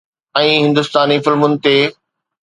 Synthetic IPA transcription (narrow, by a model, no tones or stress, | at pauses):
ɛ̃ːɦɪ̃nd̪ʊst̪aːnifɪlmʊnɪ̆t̪eː